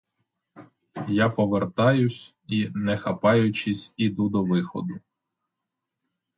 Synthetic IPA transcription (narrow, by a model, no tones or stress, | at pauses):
japɔʋert̪ɑjʊsʲ | inɛxɐpɑjʊt͡ʃɪsʲid̪ud̪ɔʋɪxɔ̰d̪ʊ